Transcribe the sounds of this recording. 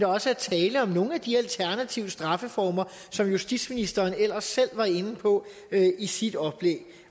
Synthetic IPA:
d̥ɒ̽səæt͡sʰɛːləɒ̽mno̝ːŋ̩æd̥iælt͡sʰæɐnæt͡sʰiʊ̰əsd̥ʁɑ̈fəfɒːmɐ | sɒ̽mjusd̥id̥sminisd̥ɐːnel̰ɐsːel̰ʋɑ̈e̝n̩pʰɒ̽ | øʔisid̥ɒ̽b̥leɡ̥

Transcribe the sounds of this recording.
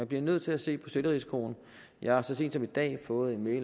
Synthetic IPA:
ænb̥liɐnøð̞̰ˠt͡sʰe̝læse̝̰ːpʰɒ̽seləʁiskʰo̝̰ːn | jɑ̈ɪhɑ̈sɒ̽se̝̰ːnd̥sɒ̽mid̥ɛ̰ːfɔ̽ːð̩ˠe̝nmeɪl

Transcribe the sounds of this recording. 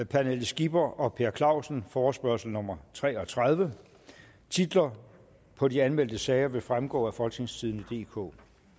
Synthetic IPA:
pʰænelsɡ̥ib̥ɐʔɒ̽pʰe̝ɐkʰlɑ̈ʊsn̩fɒːsb̥ɶɐsl̩nɔ̽mɐt͡sʰʁɛ̰ːɒ̽t͡sʰʁað̞ˠʋə | t͡sʰid̥lɐ | pʰɒ̽diænmel̰d̥əsɛːɪɐʋe̝fʁamɡ̥ɔ̰ːæfɒ̽lt͡sʰeŋst͡sʰiðˠn̩əd̥e̝̰ːkʰo̰ː

